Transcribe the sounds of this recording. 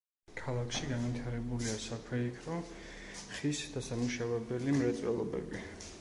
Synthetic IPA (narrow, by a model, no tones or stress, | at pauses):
kʰalˠakʰʃiɡanvit̪ʰaɾɛbuliasakʰwɛikʰɾɔ | χisd̪̥asamuʃavɛbɛlimɾɛt̪sʼwɛ̰lˠɔ̰bɛ̰bi